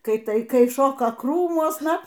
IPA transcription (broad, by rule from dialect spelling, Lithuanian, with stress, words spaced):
ˈkɐɪ ˈtɐɪ ˈkɐɪ ˈʃoːkɐ ˈkruːmuɔsnɐ